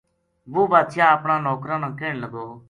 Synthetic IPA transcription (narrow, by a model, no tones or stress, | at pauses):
ʋoːʋaːt̪ʃjãːəpɳãːnɔːkɾãːnãːkeːɳləɡoː